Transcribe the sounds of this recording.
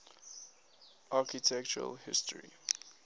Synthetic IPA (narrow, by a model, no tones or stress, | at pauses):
ʔakitʰɛk̚t͡ʃəɹə̰lhɪ̰stɹḭ